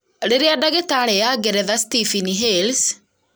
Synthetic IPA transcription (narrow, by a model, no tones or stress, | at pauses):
ɾeɾeadaɣetaɾɛjaɡɛɾɛðastifiniɦels